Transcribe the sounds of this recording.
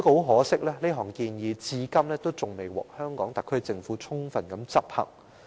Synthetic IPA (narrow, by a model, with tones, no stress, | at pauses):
kːo˨˥wɦɔː˨˥sɪ˥k̚lɛː˥le˥ɦɔː˨˩ŋkiː˧njiː˨˧t͡siː˨˥kɐ˥mlɛː˥t̪o˥wt͡sʊ˨ŋme˨jwɔ̰ː˨k̚hœː˥ŋkɔː˨˥ŋt̪ɐ˨kʰːɵ˥ɥt͡sɪ˧ŋfuː˨˥t͡sʰʊ˥ŋfɐ˨nkɐ˨˥mt͡sɐ˥p̚hɐ̰˨˩ŋ̚